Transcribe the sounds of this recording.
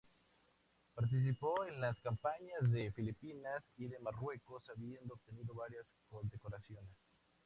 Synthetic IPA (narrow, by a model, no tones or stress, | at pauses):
paɾt̪̬is̬ipoenlaskampaɲazðefilipinasiðe̞marwe̞ko̞saβjend̪oːb̚t̪e̞niðo̞βaɾjaskond̪ekoɾasjo̞nes